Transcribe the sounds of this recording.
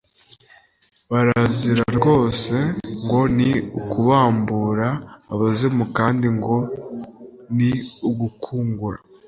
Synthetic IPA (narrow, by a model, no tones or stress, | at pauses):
βaɾaziɾaɾɡo̞ːse̞ŋɡo̞niukuβaːmbuɾaːβazimukaːndiŋɡo̞ | niuɡukʰuːŋɡuɾa̰